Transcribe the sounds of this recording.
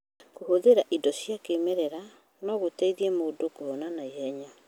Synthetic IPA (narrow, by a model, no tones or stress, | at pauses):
kohoðeɾaʔidɔsjakemeɾɛɾa | nɔɣotɛiðiɛmodokoɔnanaeɛɲa